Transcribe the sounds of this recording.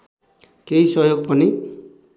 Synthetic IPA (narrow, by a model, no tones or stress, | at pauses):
keisʌjoɡ̚pʌni